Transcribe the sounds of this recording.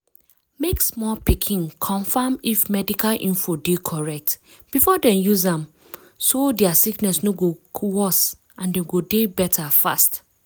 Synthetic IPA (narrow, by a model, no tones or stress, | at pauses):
meksmɔpikʰĩŋkʰɔ̃ɱfamifmɛdikʰalʔĩɱfodekʰɔɹɛk̚t | b̥ifɔdɛ̃njuzãm | sodɛasiknɛsnoɡokʰwɔs | ãndɛ̃ɡodebɛtʰafa̰st